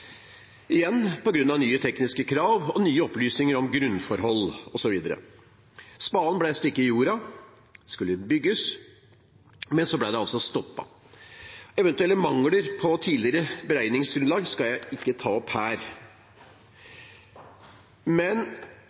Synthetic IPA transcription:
ɪjɛnːpɔɡɾʉnːɑʋnyːət̪ʰɛknɪskəkʰɾɑːʋɔnyːəɔplyːsnɪŋəɾɔmɡɾʉnfɔɾhɔlːɔsɔʋiːd̪əɾə̰ | spɑːlnblæst̪ɪkːəɪjuːɾɑ | ɛskʉlːəbʏɡːəs | mɛnsɔblæɪd̪ɛɑlsɔst̪ɔpːɑ̰ | ɛʋɛnt̪ʉɛlːəmɑŋləɾpʰɔt̪ʰiːlɪɾəbəɾæɪnɪŋsɡɾʉnlɑːɡskɑljæɪʔɪkːət̪ʰɑːɔphæːɾ | mɛn

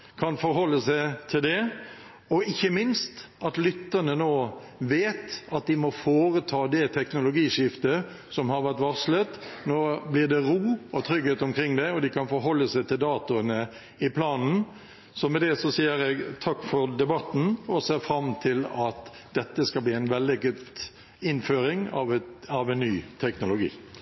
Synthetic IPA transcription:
kʰɑnfɔɾɦɔlːəsæɪt̪ʰɪld̪ɛ | ɔɪçːəmɪnst̪ | ɑt̪lʏt̪ːəʁnənoː | ʋeːt̪ɑt̪̚d̪ɪmɔfoːɾət̪ʰɑːd̪ɛt̪ʰɛknʊlʊɡiːʂɪft̪ə | sɔmhɑɾʋæʁt̪ʋɑʁslət̪noːblɪʁd̪ɛɾuːɔt̪ʰɾʏɡheːt̪ʊmkʰɾɪŋːd̪ɛɔd̪ɪkʰɑnfɔɾɦɔlːəsæɪt̪ʰɪld̪ɑːt̪ʊənə | ɪpʰlɑːnn̩ | sɔmɛd̪ɛsɔsiːəɾɛɡt̪ʰɑkːfɔɾd̪ɛbɑt̪n̩ɔseːʁfɾɑmt̪ʰɪlɑt̪ | d̪ɛt̪ːəskɑlbliːæɪnʋɛld̪ɪɡʊd̪ | ɪnføːɾɪŋɑʋɑʋæɪnːyːt̪ʰɛknʊlʊɡḭː

